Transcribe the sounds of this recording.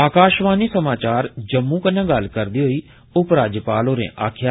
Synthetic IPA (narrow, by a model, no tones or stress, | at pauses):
aːkaːʃʋaːniːsɐmaːt͡ʃaːɾd͡ʒəmːũːkənãːɡɐlkəɾd̪iːɦoiː | ʊpɾaːd͡ʒəpaːloːɾḛ̃ːʔa̰ːkʰja